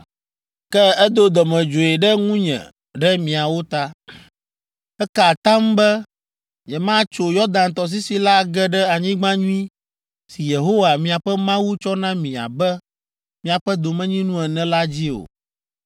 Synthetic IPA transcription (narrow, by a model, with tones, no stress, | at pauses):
kɛ˦ɛ˦d̪o˦d̪ɔ˨mɛ̃˨d͡ʒo˨ɛ˨ɖɛ˦ŋũ˦ɲɛ̰̃˨ | ɖɛ˦mĩ˨a˨wo˦t̪a˦ | ɛ˦ka˨t̪ã˦mbɛ˦ | ɲɛ˨mã˦t͡ʃo˨jɔ˦d̪ã˨nt̪ɔ˨s̬i˦si˦la˦ɡɛ˦ɖɛ˦a˨ɲĩ˦ɡ͡bã˦ɲũ˦ĩ˦ | si˨je˨ɦo˦wa˨mĩ˨a˨ɸɛ˦mã˦wu˦t͡ʃɔ˦nã˦mĩ˨a̰˨bɛ˦ | mĩ˨a˨ɸɛ˦d̪o˨mɛ̃˦ɲĩ˦nũ˦ɛ˨nɛ̃˦la˦d͡ʑi˦o̰˨